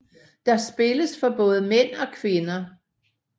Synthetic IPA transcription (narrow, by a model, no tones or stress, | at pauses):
d̥ɑ̈sb̥e̝ləsfɒ̽b̥ɔ̽ːð̞̩ˠəmen̰ɒ̽kʰʋe̝nɐ